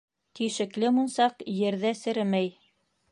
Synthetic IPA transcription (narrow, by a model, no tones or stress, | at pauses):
t̪iʃɘ̆klɘmunsɑqjɘ̆ɾðæsɘ̆ɾɘmæj